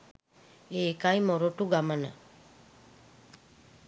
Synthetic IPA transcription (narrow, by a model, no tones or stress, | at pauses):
eːkajmoɾoʈuɡamənə̰